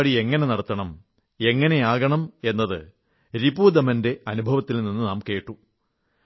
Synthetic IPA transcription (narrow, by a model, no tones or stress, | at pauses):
ɽie̞ŋːɐne̞nɐɽɐt̪ːɐɳɐm | e̞ŋːɐne̞jaːɣɐɳɐme̞nːɐðɨ | ɾibuːd̪ɐmɐnde̞ʔɐnubʱɐʋɐt̪ːilninːɨnaːmke̞ːʈːu